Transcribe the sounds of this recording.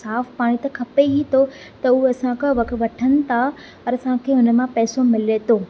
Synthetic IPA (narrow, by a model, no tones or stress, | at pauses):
saːfpaːɽ̃it̪ɐkʰɐpeit̪ʰo | t̪ɐʊɐsãkəʋɐkʋɐʈʰənɪ̆t̪ʰa | pɐɾɐsãkʰeːɦʊnəmãpɛːsomɪlet̪ʰoː